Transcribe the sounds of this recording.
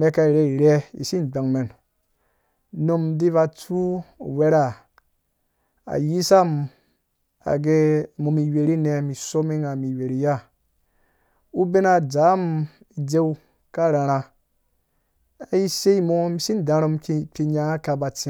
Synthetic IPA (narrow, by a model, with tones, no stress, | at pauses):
me˦ka˧i˨ɾe˧i˨ɾe˦ḭ˨si˦n˨ɡ͡ba˨ŋme˨n | no˦mdi˦βa˧t͡su˦˨we˦ɾa˦˨ | a̰˨ji˦sa˦m | a̰˨ɡe˧˨mo˨mi˨we˨ɾi˦ne˧mi˨so˦mi˦ŋa˨mi˨we˨ɾi˦ja˦˨ | u˦be˦na˨d͡za˨˦m | i˨d͡ze˦wu˦ | ka˦˨ɾa˨ɾa˧ | a˨ji˦se˦i˦mo˨˦mi˨si˦n˨da˧ɾo˧mkpi˧ɲa˧˨ŋa˦ka˧ba˧t͡si˦